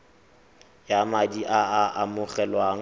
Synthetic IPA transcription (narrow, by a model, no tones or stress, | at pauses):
jamadiʔaaʔamʊɣɛlwaːŋ̩